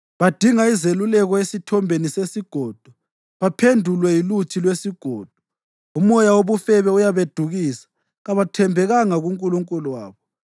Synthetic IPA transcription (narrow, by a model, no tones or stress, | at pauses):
βad̥ʱiŋaizelulɛɣɔesitʰɔmbʱenisesiɡ̥ʱɔːd̥ʱɔ | βapʰendʱulwɛjilut͡ʃʰilwesiɡ̥ʱɔːd̥ʱɔ̥ | umɔjawoβufɛβɛujaβed̥ʱuɣiːsḁ | ɣaβatʰɛmbʱɛɣaŋaɣuŋkʼuluŋkʼuluwaːβɔ